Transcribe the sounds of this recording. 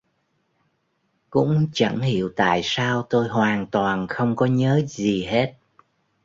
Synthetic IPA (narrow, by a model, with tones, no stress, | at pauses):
kʊ̰˧˥ŋ͡mt͡ɕə̰˧˩nhḭ˧˨əwt̪a̰ː˧˨jsaː˧wt̪o˧jɦwaː˨˩nt̪waː˨˩nxə˧wŋ͡mkɔ˨˦ɲəː˨˦zi˨˩ɦe˦˥t̚